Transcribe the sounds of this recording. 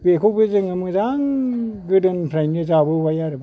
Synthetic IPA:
bekʰobɯzɯŋɯmɯzaŋɡɯdɯnpʰɾajnizabɯwajaɾɯb

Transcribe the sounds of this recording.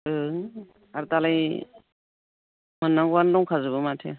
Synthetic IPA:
ɯ | aɾut̪alaj | mɯnːaɡuwanlɔŋkʰazubɯmatʰḛ

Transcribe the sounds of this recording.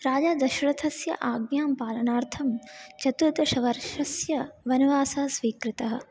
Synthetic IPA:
ɾaːd͡ʒaːd̪ɐʃuɾɐt̪ʰɐsjɐ̰ʔaːɡnjaːmpaːlɐnaːɾt̪ʰɐmt͡ʃɐt̪ud̪ɐʃɐʋɐɾʃɐsjɐʋɐnuʋaːsɐɦɐsʋiːkɾɪt̪ɐɦɐ̰̆

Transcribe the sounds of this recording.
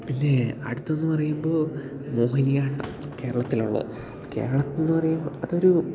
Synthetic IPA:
pinːe̞ɐ̰ɽut̪ːɐenːɨpɐrɐjumboː | mo̞ːhinijaːʈːɐmke̞ːɾɐɭɐt̪ːiluɭːɨ̰ | ke̞̰ːɾɐɭɐt̪ːonːɨpɐrɐjumɐðo̞ɾu

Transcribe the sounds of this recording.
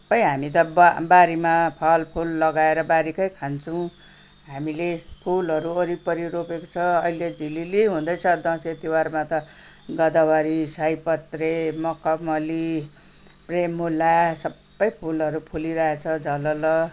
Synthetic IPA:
sʌ̥pʌjɦamit̪ʌbbaɾimapʰʌlpʰulːʌɡaeɾʌbaɾikʌjkʰant͡sʰʌw̃ | ɦamilepʰulɦʌɾuʌɾipʌɾiɾopeko̥t͡sʰʌʌiled͡zililiɦũd̪ʌjt͡sʰʌd̪ʌ̃set̪iwarmat̪ʌ | ɡʌd̪awaɾisajpʌt̪remʌkʌmʌli | premːulasʌbːʌjpʰulʌɾupʰuliɾʌɦet͡sʰʌd͡zʌlʌlʌ

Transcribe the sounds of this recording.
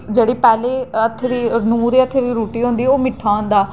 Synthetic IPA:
d͡ʒeːɽiːpɛːleːət̪ʰːeːʋiːnũːɾeːət̪ʰːeːʋiːɾuːʈiːɦõːnd̪iːoːmɪʈʰːaːɦʊ̃nd̪aː

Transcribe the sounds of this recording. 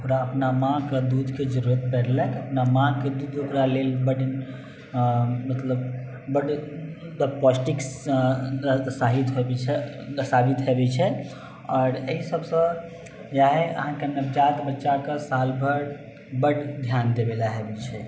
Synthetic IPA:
ukɾaəpnamãked̪ud̪ʱked͡ʒəɾuɾət̪̚pɛɾlɛkəpnamãked̪ud̪okɾalelbəɽ | mət̪ləb | bəɽ | d̪əplɔsʈiks | saɦit̪ɦobɛt͡ʃʰɛəsabit̪ɦebɛt͡ʃʰɛ | ɔɾəɦisəbsə̃ | jaɦɛə̰ɦãkenəbd͡ʒat̪bətːʃakəsalbʱəɾ | bəɽd̪ʱjand̪ebelaɦebɛt͡ʃʰɛ

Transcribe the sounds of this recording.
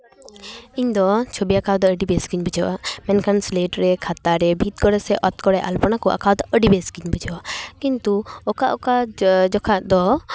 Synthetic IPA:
iɲd̪ɔt͡ʃʰobiakaw̪d̪ɔəɖibɛskiɲbɛd͡ʒawamɛnkʰanslɛʈɾɛkʰat̪aɾɛbʱit̪̚kɔɾɛsɛʔɔt̪kɔɽɛʔa̰lpɔnakɔʔa̰kawd̪ɔʔəɖibɛskiɲbɛd͡ʒawakint̪uɔkaʔɔkad͡ʒɔkʰaʔd̪ɔ

